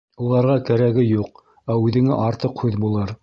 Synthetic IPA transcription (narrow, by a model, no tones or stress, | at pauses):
ulˠɑɾʁɑkæɾæɡɘjuq̚ | æʉðɘ̆ŋæ̰ʔɑɾt̪ɤqhʉðbulˠɤɾ